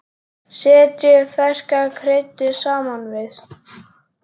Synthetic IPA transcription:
sɛːt̪ɪfɛskakʰɾejt̪ʏsaːmanvɪθ

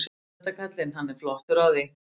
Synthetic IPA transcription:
s | ɛt̪ːakʰat̪lɪnɦanːɛɾflɔht̪ʏɾawðɪ

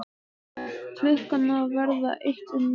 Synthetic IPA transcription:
fʰlʏhkanavɛɾða̰ʔeht̪ʏnː

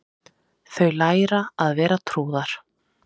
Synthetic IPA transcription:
θœɥlaːjɾaaðvɛːɾat̪ʰɾuːðaɾ̥

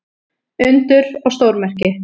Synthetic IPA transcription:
ʏnt̪ʏɾ̥ɔɣst̪owɾmɛr̥cɪ

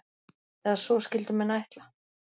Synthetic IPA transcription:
θɛðasvɔscɪlt̪ʏmɛnajht̪la

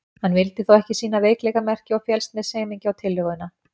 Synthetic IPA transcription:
hanːvɪlt̪ɪθowɛhcɪsiːnaveːjklɛɣamɛr̥cɪɔɣfjɛlst̪nɪseːjmiɲcɪawt̪ʰɪlːʏɣʏna

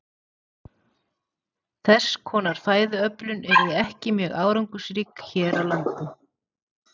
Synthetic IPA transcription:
θɛskʰɔːnaɾ̥θaːjðʏœplʏnɛɾðɪɛhcɪmjɛːɣaːwɾaŋkʏsɾiːkçɛːɾawlant̪ʏ

